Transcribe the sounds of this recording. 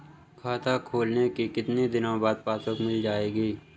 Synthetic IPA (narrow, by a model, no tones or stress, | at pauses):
kʰaːt̪ʰakʰoːlnekikɪt̪nid̪ɪnõbaːd̪̚paːsʊkmɪld͡ʒaːeːɡiː